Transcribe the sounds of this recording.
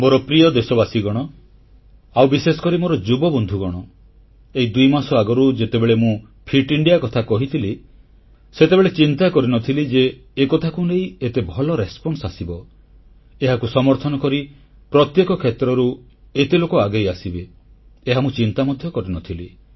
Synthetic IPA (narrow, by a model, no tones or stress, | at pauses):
moɾɔpɾiɔd̪esɔbasiɡɔɽ̃ɔ | awbisesɔ̥kɔɾimoɾɔd͡ʒubɔbɔnd̪ʱuɡɔɽ̃ɔ | eid̪ujmasɔaɡɔɾud͡ʒet̪ebeɭemũ | pʰiʈiɳɖijakɔt̪ʰakɔɦit̪ʰili | set̪ebeɭet͡ʃint̪akɔɾinɔt̪ʰilid͡ʒeː | kɔt̪ʰakunejet̪ebʱɔlɔɾespɔnsasibɔ | eɦakusɔmɔɾt̪ʰɔnɔkɔɾi | pɾɔt̪jekɔkʰet̪ɾɔɾu | et̪ilokɔaɡejasibeː | ɦamũt͡ʃint̪amɔd̪ʱjɔkɔɾinɔt̪ʰili